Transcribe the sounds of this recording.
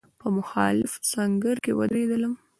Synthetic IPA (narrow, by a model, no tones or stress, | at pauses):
pəmʊxɑlɪfsaŋɡəɾkewə̰d̪ɾed̪ələm